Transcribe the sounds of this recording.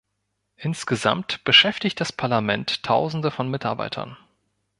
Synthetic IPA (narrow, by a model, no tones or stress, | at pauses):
ʔɪnsɡ̥əza̰mtb̥əʃɛftɪçt̚d̥aspʰaɐlamɛntʰːaʊzn̩dəfɔnmɪtaɐba̰ɪtʰɐ̰n